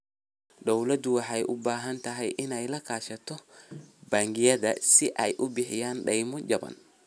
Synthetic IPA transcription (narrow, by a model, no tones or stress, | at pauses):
d̪ɔwlɐd̪ʊwɑħɛjʔʊbaːɦɐnt̪ʰɐɦɛjʔɪnɛjlɐkʰaːʃɐt̪ʰɔbaːŋɡɪjɐðɐ̰sɪʔɐjʔʊbɪħɪjaːnɗɐjmʊd͡ʒɐbɐ̰n